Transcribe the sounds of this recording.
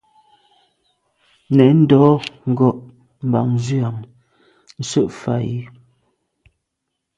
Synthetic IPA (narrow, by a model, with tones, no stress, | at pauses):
nɛ˨n̩˦dɔː˨˦ŋ̩˨ɡɔ˦˨ʔ | m̩˨ba˨ŋ˦zʉ˦a˨ŋ | n̩˦sə˦ʔfa˨ji˦